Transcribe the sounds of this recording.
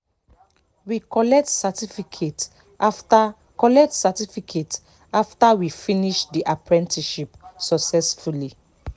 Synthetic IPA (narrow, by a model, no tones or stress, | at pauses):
wikɔlɛk̚tsatifikʰet | afta | kɔlɛk̚tsatifikʰet | aftawifiniʃdiʔapɹɛ̃ntʰiʃipsɔksɛsfuli